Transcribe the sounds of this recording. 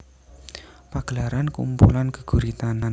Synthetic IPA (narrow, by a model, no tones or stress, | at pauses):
paɡ̥əlaɾankṵmpṵlanɡ̥ə̤̥ɡ̥ṳɾit̪ana